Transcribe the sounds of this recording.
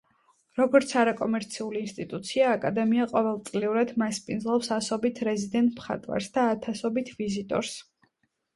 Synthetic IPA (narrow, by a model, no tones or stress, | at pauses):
ɾɔɡɔɾt̪sʰaɾakʼɔmɛɾt̪sʰiuliːnst̪ʼit̪ʼut̪sʰiaːkʼad̪ɛmiaqʼɔvɛlˠt̪sʼliuɾad̪maspʼinzlˠɔpsasɔbit̪ʰɾɛzid̪ɛnt̪ʼʰmχa̰t̪ʼwa̰ɾsd̪aːt̪ʰasɔbit̪ʰvizit̪ʼɔ̰ɾs